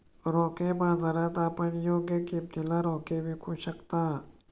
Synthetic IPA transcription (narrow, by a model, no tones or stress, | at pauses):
ɾɔ̃ːkebãːzaːɾat̪aːpənjoːɡjəkib̚d̪ɪlaɾɔ̃ːkebʱikʰuʃəkt̪aː